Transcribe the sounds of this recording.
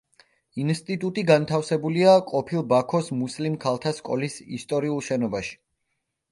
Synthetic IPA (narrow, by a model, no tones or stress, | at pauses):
inst̪ʼit̪ʼut̪ʼiɡant̪ʰafsɛbuliaqʼɔpʰilˠbakʰɔsmuslimkʰalˠt̪ʰaskʼɔ̰lisḭst̪ʼɔɾiulˠʃɛnɔbaʃi̥